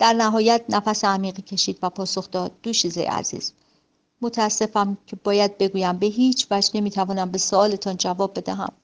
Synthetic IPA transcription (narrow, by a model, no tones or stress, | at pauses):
d̪̥æɾnæɦɒːjæt̪̚ʰnæfæseæmiːɣiːcʰe̞ʃiːd̪væpʰɒːso̞xd̪ɒːd̪̥̚ːoʃiːzejḛæ̰zḭːz̥ | mot̪ʰææsːe̞fæmcʰe̞bɒːjæd̪̚be̞ɡuːjæmbe̞ɦiːt͡ʃʰvæd͡ʒne̞miːt̪ʰævɒːnæmbe̞soɒːle̞t̪ʰɒːnd͡ʒævɒːb̚ːe̞d̪æ̰ɦæ̰m